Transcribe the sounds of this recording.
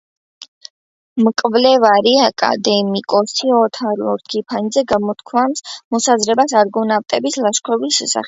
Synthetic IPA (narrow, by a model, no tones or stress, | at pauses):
mkʼvlɛvaɾiakʼa̰d̪ɛmikʼɔsiɔt̪ʰaɾɔɾt̪kʰipʰanid̪zɛɡamɔt̪ʰkʰwamsmɔsazɾɛbasaɾɡɔnavt̪ʼɛbislaʃkʰɔbisʃɛsa̰χɛ